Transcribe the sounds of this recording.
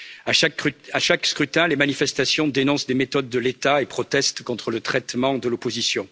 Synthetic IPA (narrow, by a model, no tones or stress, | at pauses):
aʃaaʃakskχyt̪ɛ̃lemanifɛst̪asjɔ̃d̪enɔ̃sd̪emet̪ɔd̪ːəlet̪aepχɔt̪ɛst̪kɔ̃t̪χələt̪χɛt̪mɑ̃d̪əlɔpozisjɔ̃